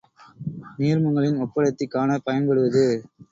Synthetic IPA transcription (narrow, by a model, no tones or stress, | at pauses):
niːɾmɯŋɡɐɭɪnɔpːɐɭɐt̪ːɪkːaːnɐpɐjɐnbɔɽɯʋɐðɯ